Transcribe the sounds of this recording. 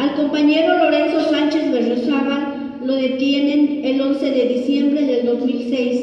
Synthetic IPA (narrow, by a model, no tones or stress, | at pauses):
alko̞mpaɲe̞ɾolo̞ɾe̞nso̞sant͡ʃe̞zβeʒosara | loðe̞t̪jene̞nelo̞nse̞ðeðisje̞mbɾeðe̞ld̪o̞zmilsejs